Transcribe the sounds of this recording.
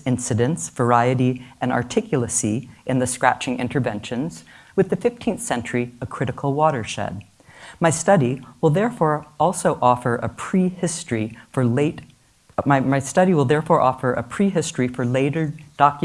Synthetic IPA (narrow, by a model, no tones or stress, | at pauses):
ɪ̃nsɨɾɨ̃ntsvə˞aɪɨɾiʔɨ̃nɑ̰ɹtʰɪkʰjl̩ˠəsiʔɨ̃nðɨskɹæ̰t͡ʃɪ̃ŋɪ̃ntʰə˞vɛ̃nʃɨ̃nz̥wɨðɨfɪftʰĩnθsɛ̃nt͡ʃə˞iə̥kʰɹ̥ɪɾɨkʰl̩ˠwɔɾə˞ʃɛ̰d̚ | maɪstʌɾiwəlˠðɛɹfɔɹʔɔlˠsoʊʔɔfə˞ʔə̰pʰɹ̥ihɪstɹ̥ifə˞leɪt | maɪmaɪstʌɾiwəlˠðɛɹfɔɹʔɔfə˞ʔɨ̰pʰɹ̥iɦɪstɹ̥ifə˞leɪɾə˞d̥ɑk